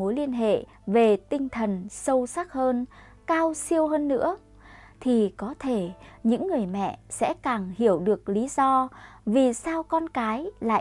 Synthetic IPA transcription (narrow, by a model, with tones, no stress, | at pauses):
o˨˦jli˧ənɦḛ˧˨ | ve˨˩t̪ï˧ŋ̟t̪ʰə˨˩nsə˧wsa˦˥k̚həː˧n | kaː˧wsi˧əwɦəː˧nːɨ̰˧˥ə | t̪ʰi˨˩kɔ˨˦t̪ʰe˧˩ɲɨ̰˧˥ŋːɨ˨˩əjmɛ̰˧˨sɛ̰˧˥kaː˨˩ŋhi˧˩əwɗɨ˨˩ək̚li˨˦zɔ˧vi˨˩saː˧wkɔ˧nkaː˨˦jla̰ː˧˨